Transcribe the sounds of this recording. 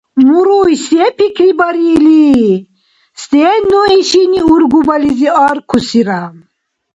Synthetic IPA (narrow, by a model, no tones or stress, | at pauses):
muɾujsepʰikʰɾibaɾili | st̪enuiʃiniuɾɡubaliziaɾkʰusiɾam